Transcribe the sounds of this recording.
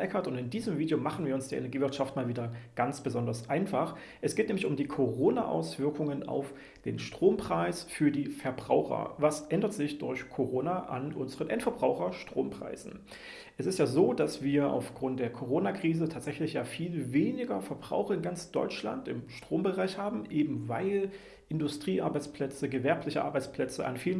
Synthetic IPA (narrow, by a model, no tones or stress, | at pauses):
ʔɛkɐtʊntɪndiːzəmviːdjomaχn̩viːɐʊnsd̥iːɐʔenɛɐɡiːvɪɐtʃaftmaːlviːdɐɡ̥ant͡sb̥əzɔndɐsʔaɪnfaχ | ʔɛsɡ̥eːtnɛːmlɪçʊmdiːkʰoʁoːnaʔa̰ʊsv̥ɪɐkʰʊŋəna̰ʊf | d̥ḛːnʃtʁ̥oːmpʁ̥aɪsfyːɐdiːfɛɐbʁaʊxɐ̰vasʔɛndɐtz̥ɪçd̥ʊɐçkʰoʁoːnaʔa̰nʔʊnzəʁənʔɛntfɛɐbʁaʊxɐʃtʁ̥oːmpʁ̥a̰ɪzn̩ | ʔɛsɪstjaːzoːd̥asv̥iːɐʔa̰ʊfɡ̥ʁʊnt̚d̥eːɐkʰoʁoːnakʁ̥iːzətʰaːtz̥ɛçlɪçjaːfiːlveːnɪɡɐfɛɐbʁa̰ʊxɐɪnɡant͡sd̥ɔ̰ʏt͡ʃla̰ntɪ̰mʃtʁ̥oːmbəʁaɪçhaːbm̩ʔeːbm̩vaɪl | ʔɪndʊstʁ̥iːʔa̰ɐbaɪt͡spl̥ɛt͡səɡəvɛɐplɪçəʔa̰ɐbaɪt͡spl̥ɛt͡səʔa̰nfiːlən